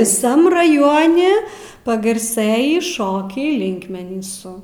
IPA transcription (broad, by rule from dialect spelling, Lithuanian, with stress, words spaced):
ʋʲɪˈsɐm rɐˈjoːnʲɪ pɐɡɐrˈsɘjiː ˈʃoːkʲɛɪ ˈlʲɪŋkmʲɛnʲiːsʊ